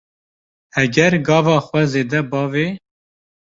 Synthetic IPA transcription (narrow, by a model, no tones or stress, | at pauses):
ɛɡɛɾɡɑːvɑːxʷwɛzeːd̪ɛbɑːveː